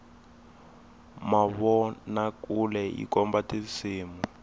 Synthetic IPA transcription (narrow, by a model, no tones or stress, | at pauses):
maβɔnakulɛḭkɔmbatisiːmu